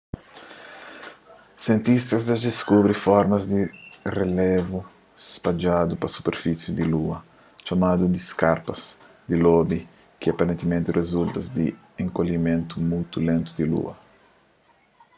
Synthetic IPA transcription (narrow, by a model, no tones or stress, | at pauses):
sjẽnt̪ist̪ɐzd̪azd̪eskubɾifɔɾmɐzd̪irelevu | spad͡ʒad̪upɐsu̥peɾfisjud̪iluɐ | t͡ʃamad̪ud̪iskaɾpɐz̥ | d̪ilɔbi | kiapaɾẽnt̪imẽnt̪irʔezult̪ɐzd̪i | ẽŋkoʎimẽnt̪umujt̪ulẽnt̪ud̪ilṵɐ